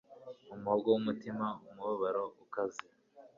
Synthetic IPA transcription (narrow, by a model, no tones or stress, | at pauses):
umuhobɡowumutimaumuβaβaɾoukazi